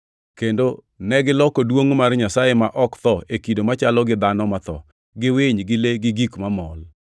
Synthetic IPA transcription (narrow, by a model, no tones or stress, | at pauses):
kendo | nɛɡɪlɔkodwoŋmarɲasajemaʔɔkt̪ɔekidomat͡ʃalɔɡɪd̪anɔmat̪ɔ̰ | ɡɪweɲɡɪleɡɪɡikmamɔl